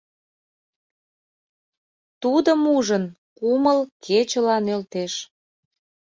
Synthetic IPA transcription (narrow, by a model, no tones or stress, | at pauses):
t̪ud̪əmuʒən | kuməlkʰet͡ɕəlɑnølt̪eʃ